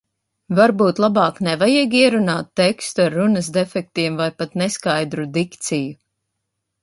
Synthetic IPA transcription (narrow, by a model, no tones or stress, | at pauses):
vaɾbuːt̪lˠabɑːknɛvajiɡiɛɾunaːt̪ːekst̪uaɾːunəsd̪ɛfɛk̚t̪iɛmvajpat̪nɛskajd̪ɾud̪ikt̪siju